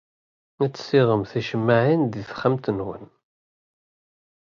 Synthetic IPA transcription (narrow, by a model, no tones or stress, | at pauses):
æt͡sːə̥sɪʁəmθiʃəmːaʕind̪iθχamt̪ənwə̰n